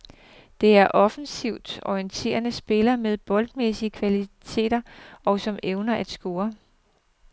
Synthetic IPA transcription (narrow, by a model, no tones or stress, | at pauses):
d̥e̝æɐʔɒ̽fn̩siʊ̰d̥ɒiənt͡sʰe̝̰ːɐnəsb̥e̝lɐmeð̞ˠb̥ɒ̽ld̥mesiəkʰʋælit͡sʰe̝̰ːd̥ɐɒ̽sɒ̽meʊnɐʔæd̥sɡ̥o̝ːɐ